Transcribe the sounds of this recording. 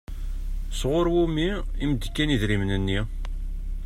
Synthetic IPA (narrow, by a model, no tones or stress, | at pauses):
sʁʊɾwumi | imd̪əkːæniðɾimnənːi